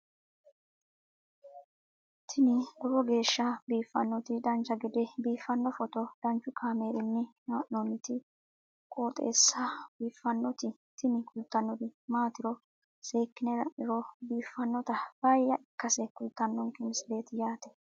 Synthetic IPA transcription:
t̪ʰɪnɪd̪ɔbɔɡe̞ːʃːɐbiːfːɐnːɔt̪ɪd̪ɐnt͡ʃːɐɡɪd̪ɛbiːfːɐnːɔfɔt̪ɔd̪̥ɐnt͡ʃːʊkʰaːme̞ːɾɪnːɪmaːʔnonːɪt̪ɪ | kʼoːt̪ʼe̞̰ːsːɐbiːfːɐnːɔt̪ɪ | t̪ɪnɪkʊlt̪ːɐnːɔd̪ɪmaːt̪ɪɾɔ | se̞ːkːɪnɛdɐ̰ʔɪɾɔbiːfːɐnːɔt̪ɐb̥ɐjːɐʔɪkːɐsɛkʊlt̪ːɐnːɔŋkɪmɪsɪle̞ːt̪ɪjaːt̪ɛ̥

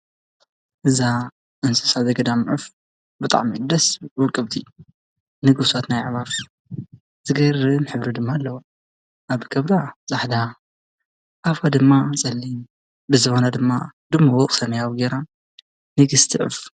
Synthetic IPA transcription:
ʔɨza | ʔɨnsɨ̥sazɐɡɐd̪amʕɨf | bɨt̪ʼa̰ʕmid̪ɐswɔkʼːɨβt̪ʰi | nɨɡɨsat̪najʕβaf | z̥ɨɡɐrɨnħɨβɾɨd̪ɨmːaːlːɐwo | ʔaβkʰɐβd̪azʼaħd̪a | ʔafad̪ɨmːasʼɐlːin | bɨzɨxonad̪ɨmːa̰d̪ɨmːawɔkʼsɐmɐjawɡeɾa | nɨɡɨst̪ʰiʕɨ̰f

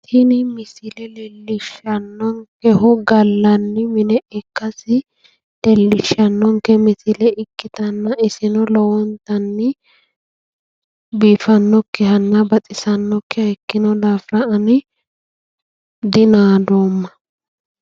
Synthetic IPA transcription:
t̪ʰɪnɪmɪsɪlɛlɛlːɪʃːɐnːɔŋkɛhʊɡɐlːɐnːɪmɪnɛʔɛkːɐsɪ | lɛlːɪʃːɐnːɔŋkːɛmɪsɪlɛɪkːɪt̪ɐnːɐɪsɪnɔlɔwɔnt̪ɐnːɪ | biːfɐnːɔkːɛhɐnːɐbɐtʼɪsɐnːɔkːɛɐkːɪnɔlaːfɾɐʔɐnɪ | d̪ɪnaːd̪oːmːɐ

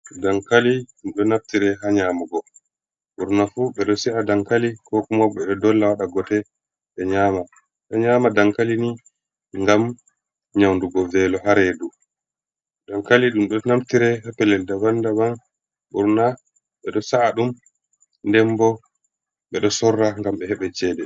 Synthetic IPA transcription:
daŋkaliɗumɗɔnaftiɾɛɦaɲaːmaɡɔ | ɓuɾnafuɓɛɗɔsiadaŋkalikɔkumɔɓɛɛdɔlːawaɗaɡɔtɛ | ɓɛɲaːma | ɓɛɲaːmadaŋkalini | ŋɡam | ɲawnduɡɔvɛlɔɦaɾɛdu | daŋkaliɗumɗɔnamtiɾɛhapɛlɛldawandaban | ɓuɾna | ɓɛɗɔsaːɗum | ndɛmbɔ | ɓɛɗɔsɔrːaŋɡamɓɛhɛɓɛt͡ʃɛːdɛ

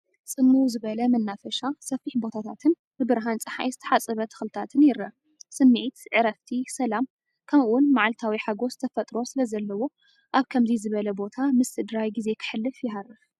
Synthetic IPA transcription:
sʼɨmːuwzɨβɐlɐmɐnːafɐʃasɐfiħbo̞t̪ʰat̪ʰat̪ʰɨn | bɨbɨɾɦant͡sʼɨħa̰jzɨt̪ʰɐ̥ħat͡sʼɨβɐt̪ʰɨ̥xlɨt̪ʰat̪ʰɨnjɪɾɐ | sɨmːiʕit̪ʕɨɾɐft̪ʰisɐlam | kʰɐmʔuwʊnmaʕlt̪ʰawiħaɡo̞st̪ʰɐfɐt̪ʼɾo̞sɨlɐzɐlːɐwo̞ | ʔaβkʰɐmzizɨβɐlɐbo̞t̪ʰamɨst̪ɨd̪ɾajɡize̞kʰɨ̥ħɨlːɨfjɪɦarɨf

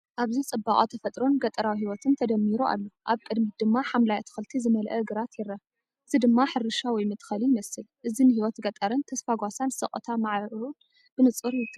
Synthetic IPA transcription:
ʔaβzit͡sʼɨbakʼot̪ʰɐfɐt̪ʼɾo̞nɡɐt̪ʼɐɾawiɦiwɔt̪ʰɨnt̪ʰɐd̪ɐmːiɾua̰lːoʔaβkʼɨd̪mid̪ɨmːaħamlajat̪ʰɨ̥xɨlt̪ʰizɨmɐlʔɐɨɡɨɾat̪jɛɾːɐ | ɨzid̪ɨmːaħɨɾɨʃawɔjmɨt̪ʰʼxɐlimɐsɨlʔɨzinɨhiwɔt̪ɡɐt̪ʼɐɾɨnt̪ʰɐsfaɡʷasansɐχʼɐ̰t̪ʰamaʕɾon | b̥ɨnɨt͡sʼɨɾjɪt̪ʼːɨ

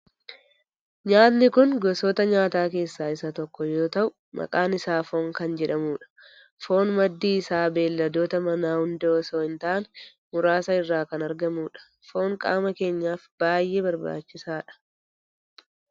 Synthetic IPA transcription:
ɲaːt̪nɪkʊnɡɔsoːt̪ɐɲaːt̪aːke̞ːsːaːɪsɐt̪ɔkːɔjo̞ːt̪ɐʔʊ | mɐ̰kʼaːnɪsaːfo̞ːŋkɐnd͡ʒɛᶑɐmuːᶑɐ̥ | fo̞ːnmɐd̪ːiːɪsaːbe̞ːlːɐd̪o̞ːt̪ɐmɐnaːhʊnd̪ɛɔsoːɪnt̪aːn | mʊɾaːsɐɪrːaːkɐnɐɾɡɐmuːᶑɐ̥ | fo̞ːŋkʼa̰ːmɐke̞ːɲːaːfb̥aːjʔe̞ːbɐɾba̰ːt͡ʃːɪsaːᶑɐ̥

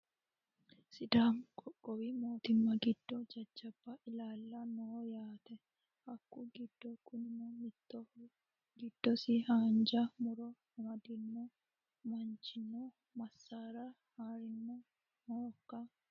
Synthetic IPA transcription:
sɪd̪aːmkʼɔkʼːɔwimoːt̪ɪmːɐɡɪd̪̥ːɔd͡ʒɐd͡ʒːɐbːɐʔɪlaːlːɐnoːjaːt̪ɛ | hɐkːʊɡɪd̪̥ːɔkʊnɪmɔmɪt̪ːɔ | ɡɪd̪̥ːɔsɪhaːnd͡ʒɐmʊɾɔ | mɐd̪ɪnːɔ | mɐnt͡ʃːɪnːɔ | mɐsːaːɾɐ | haːɾɪnːɔ | noːkːɐ

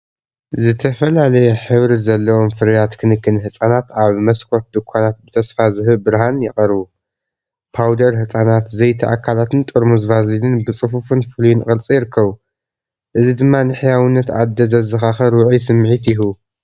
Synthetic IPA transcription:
zɨt̪ʰɐfɐlalɐjɛħɨβɾizɐlːɐwo̞mfɨɾjat̪kʰɨnɨkːɨnhɨsʼanat̪aβmɐskʰot̪̚d̪ɨkʰʷːanat̪̚bɨt̪ʰɐsfazɨɦɨbɨɾɦanjɪχʼɐɾβu | pʰawd̪ɐɾhɨsʼanat̪zɐjt̪ʰɐʔakʰalat̪ʰɨnt̪ʼoɾmuzvazlinɨnbɨt͡sʼɨfufɨnfɨlujinɨχʼɨlt͡sʼijɪɾɨkʰːɐβu | ʔɨzid̪ɨmːanɨħjawɨnːɐt̪a̰d̪ːɐzɐzɨxaxɐɾwʊʕis̬ɨmːʕit̪jɪɦu

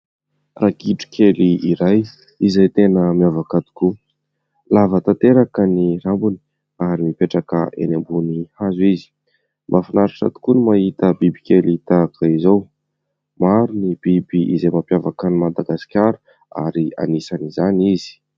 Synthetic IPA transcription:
rakiʈ͡ʂu̥kʰʲeliiɾaj | izejt̪enəmiavakat̪u̥ku | lavət̪ant̪eɾakənirambuni̥ | aɾimipeʈ͡ʂakə̰ʔḛnambunihazizi̥ | mʔafinaɾiʈ͡ʂa̰t̪u̥kunimahit̪əbibikʲelit̪akʰaizow | maɾunib̥ibiʔizejmapjavakanimad̪aɡaskʲaɾu | a̰ɾia̰nisanizanizi̥

